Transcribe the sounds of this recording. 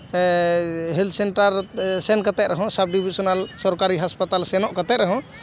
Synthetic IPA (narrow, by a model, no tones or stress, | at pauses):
ɦild̪seɳʈəɾsenkət̪ɛɾəɦɔ̃sab̚ɖibisɔnalsɔɾkaɾiɦaspət̪alsenɔʔkət̪ɛɾəɦɔ̃